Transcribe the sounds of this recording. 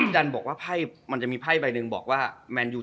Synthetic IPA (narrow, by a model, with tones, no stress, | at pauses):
da˧nbɔː˨˩k̚waː˥˩pʰa˥˩jma˧nt͡ɕa˨˩ʔmiː˧pʰa˥˩jba˧jnɯ˧ŋbɔː˨˩k̚waː˥˩mɛː˧njuː˧